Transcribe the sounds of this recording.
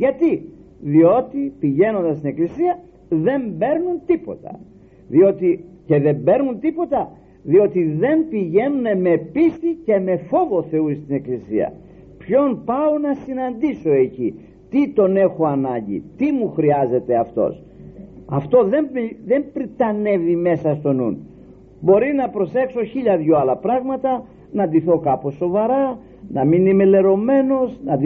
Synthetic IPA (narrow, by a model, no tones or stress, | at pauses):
ʝɐt̪i | ðio̞t̪ipiʝe̞no̞nd̪ɐst̪ine̞klisiɐ | ðe̞mbe̞ɾnunt̪ipo̞̰t̪ɐ̰ | ðio̞t̪ice̞ðe̞mbe̞ɾnunt̪ipo̞t̪ɐ | ðio̞t̪iðe̞mpiʝe̞nune̞me̞pist̪ice̞me̞fo̞vo̞θe̞uist̪ine̞klisḭɐ̰ | pço̞npɐonɐsinɐnd̪iso̞e̞ci | t̪it̪o̞ne̞xo̞ɐnɐɲɟḭt̪imuxɾiɐze̞t̪e̞ɐft̪o̞̰s | ɐft̪o̞ðe̞mðe̞mpɾit̪ɐne̞vime̞sɐst̪o̞nṵn | bo̞ɾinɐpɾo̞se̞kso̞çiʎɐðʝoɐlɐpɾɐɣmɐt̪ɐ | nɐnd̪iθo̞kɐpo̞so̞vɐɾɐ | nɐminimele̞ɾo̞me̞no̞znɐd̪